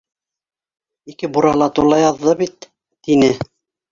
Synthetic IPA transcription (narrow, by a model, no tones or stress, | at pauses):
ikɘbuɾɑlˠɑt̪uɾlˠɑjɑðːɤβit̪ː | inɘ